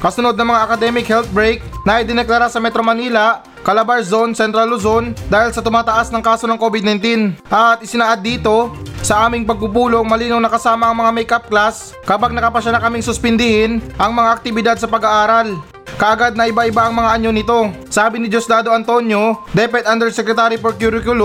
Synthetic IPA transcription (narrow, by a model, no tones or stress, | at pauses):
kɐsʊno̞d̪̚nɐŋmɐŋaʔɐkɐd̪ɛmɪkhɛlt̪̚bɹejk̚nɐʔɪd̪ɪnɛklaɾasɐmɛt̪ɾomɐniːlɐ | kɐlabɐɹzo̞nsɛnt̪ɾalːozo̞nd̪aːhɪlsɐt̪ʊmaːt̪ɐʔasnɐŋkaːso̞nɐŋko̞ːbɪd̪nɐjnt̪inʔɐt̪ʔɪsɪnaːʔat̪̚ːiːt̪o̞sɐʔaːmɪŋpɐɡ̚pupuːlo̞ŋmɐliːnownɐkɐsaːmɐʔɐŋmɐŋamɛjkap̚klas | kɐpaɡ̚nɐkɐpɐʃanakɐmɪŋsʊspɪnd̪ɪhɪnʔɐŋmɐŋaʔɐk̚t̪ɪbɪd̪ad̪̚sɐpɐɡaʔaːɾal | kɐʔɐɡad̪̚nɐʔɪbaʔɪbaʔɐŋmɐŋaʔɐɲːonɪt̪o̞ | saːbɪnɪd͡ʒoslaːd̪o̞ʔɐnt̪o̞njo̞d̪ɛpɛt̪ʔand̪ɛɹsɛkɾɛt̪aːɾipoɾkjuɾɪkʊl